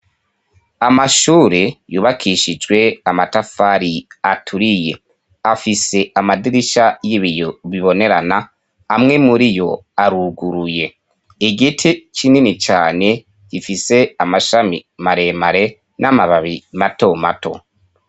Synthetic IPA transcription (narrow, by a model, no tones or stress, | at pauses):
amaʃuːɾe̞juːβakʰiʃid͡ʒɡwe̞amatafaɾiatʰuɾije̞ | afise̞amadiɾiʃajiβijoβiβo̞ne̞ɾana | amŋe̞muɾijo̞aɾuɡuɾuje̞ | eɡitʰit͡ʃininit͡ʃaːne̞ | jifise̞amaʃamḭmaɾe̞maɾe̞ | nʔamaβaβimato̞mato̞̰